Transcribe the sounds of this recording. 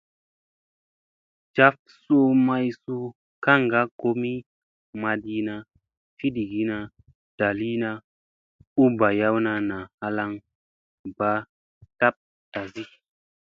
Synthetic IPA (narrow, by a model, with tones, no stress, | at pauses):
d͡ʒa˧f | so˧ma˧jsu˦ | ka˦ŋɡa˦ko˦mi˦ | ma˧di˧na˧ | fi˦di˨ɡi˨˦na˧ | d̥a˨li˦na˧ | u˦ba˨ja˦wna˧na˨ha˧la˧ŋ | ba˨ | ta˦p̚ | ta˨zi˦